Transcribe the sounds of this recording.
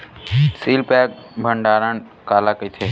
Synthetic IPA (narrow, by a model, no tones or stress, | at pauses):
siːlpɛːk̚bʱəɳɖaːɾən | kaːlaːkəiːt̪ʰeː